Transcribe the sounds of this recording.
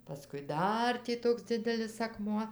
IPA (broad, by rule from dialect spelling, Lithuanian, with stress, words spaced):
pɐˈskʊɪ ˈdɐr tʲiː ˈtoːks ˈd͡zʲɪdʲɛlʲɪs ɐkˈmuɔ